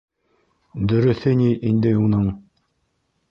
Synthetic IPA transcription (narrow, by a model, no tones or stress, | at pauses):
d̪ɵ̆ɾɵ̆θɘnʲiʔind̪ɘunɤɴ